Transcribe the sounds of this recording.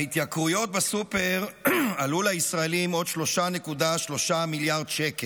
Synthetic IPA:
it̪jakʁujo̞t̪̚basupe̞ʁalulaisʁaelimo̞d̪ʃlo̞ʃane̞kudaʃlo̞ʃamiljaʁdʃeke

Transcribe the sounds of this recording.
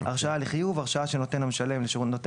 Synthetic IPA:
a̰ʁʃaaliχijuvaʁʃaaʃeno̞t̪e̞nhameʃale̞mleʃnot̪

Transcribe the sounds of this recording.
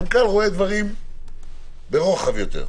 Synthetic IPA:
nkalʁoed̪vaʁim | beʁoχavjot̪ḛʁ

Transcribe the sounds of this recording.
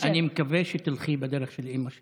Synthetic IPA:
animekaveʃet̪ilχibed̪eɾeχʃelʔimaʃ

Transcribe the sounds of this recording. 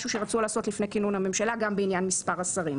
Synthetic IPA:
ʃuʃeʁat͡sulaːso̞tlifnekinunhame̞mʃalaɡambeinjanmispaʁasaʁim

